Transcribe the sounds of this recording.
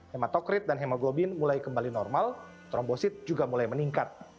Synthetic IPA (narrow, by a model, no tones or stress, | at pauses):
hemat̪ɔkɾɪt̪̚danɦemaɡobɪnmulajkəmbalinɔrmal | t̪ɾɔmbosɪt̪̚d͡ʒuɡamulajməniŋkat̪̚